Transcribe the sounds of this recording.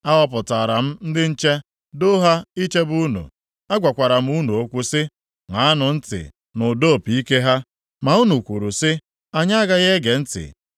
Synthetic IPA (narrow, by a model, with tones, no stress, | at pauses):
a˦ɦɔ˦p̬ʊ˨ta˨ɾa˨m̩˦n̩˦dɪ˦n̩˦t͡ʃe˦ | do˦ɦa˦i˦t͡ʃe˦bu˦nṵ˨ | a˦ɡʷa˨kʷa˨ɾa˨m̩˦u˦nu˨o˦kʷu˦sɪ˦ | ŋa˨a˦nʊ˨n̩˦tɪ̰˨ | nʊ˨do˦˨pi˦ke˦ɦa˦ | ma˨u˦nu˨kʷu˨ɾu˨sɪ˦ | a˦ɲa˦a˦ɡa˦ɣe˦ɡe˨n̩˦tɪ̰˨